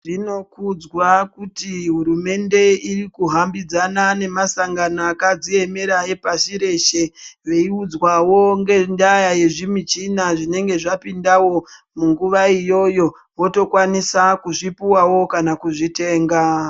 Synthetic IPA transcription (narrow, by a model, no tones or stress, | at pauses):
ʐino̞kud͡zwakutiɦuɾume̞nde̞irikuɦambid͡zanane̞masaŋɡanaːkad͡zie̞me̞ɾae̞paʃiɾe̞ʃe̞ʋe̞iud͡zwawo̞ŋɡe̞ndajaje̞ʐimit͡ʃinaʐine̞ŋɡe̞ʐapindawo̞ | muŋɡuʋaijo̞jo̞ | ʋo̞to̞kwanisakuʐipuwawo̞kanakuʐite̞ːŋɡa